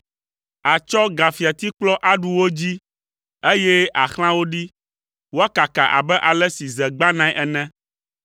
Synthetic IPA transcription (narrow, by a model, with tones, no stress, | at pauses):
a˨t͡ʃɔ˦ɡa˨fi˨a˨t̪i˦k͡plɔ˦ʔa˦ɖu˨wo˦d͡ʑi˦ | e˦jɛ˦ʔa˨xl̃ã˦wo˦ɖi˦ | wo˦a˦ka˨ka˨ʔa̰˨bɛ˦ʔa˨lɛ˦si˨zɛ˨ɡ͡ba˦nã˦i˦ʔɛ˨nɛ̃˦